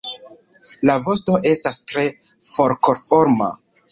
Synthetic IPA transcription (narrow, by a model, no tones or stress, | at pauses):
lavo̞sto̞ʔe̞stastɾe̞fo̞ɾko̞ɾfo̞ɾma̰